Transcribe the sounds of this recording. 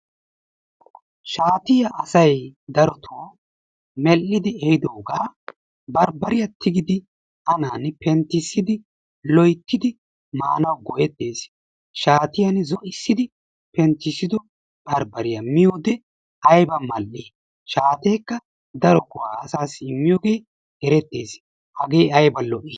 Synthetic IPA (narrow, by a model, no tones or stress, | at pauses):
ʃaːt̪ɪjɐʔɐsɐjd̪ɐɾɔt̪ʰoː | mɛlːɪd̪ɪɛhɪd̪oːɡaː | bɐɾbɐɾɪjɐt̪ɪɡɪd̪ɪ | ʔɐnaːnpɛnt̪ɪsːɪd̪ɪ | lɔjt̪ːɪd̪ɪ | ma̰ːnɐwɡɔjɛt̪ːeːs | ʃaːt̪ɪjɐnzɔʔɪsːɪd̪ɪ | pɛnt̪ːɪsːɪd̪ɔ | bɐɾbɐɾɪjɐmɪjoːd̪ɛ | ʔɐjbɐmɐlːɪ | ʃaːt̪e̞ːkːɐ | d̪ɐɾɔkʊwaːɐsaːsɪmːɪjoːɡe̞ː | ɛɾɛt̪ːeːs | hɐɡe̞ːɐjbɐlɔʔɪ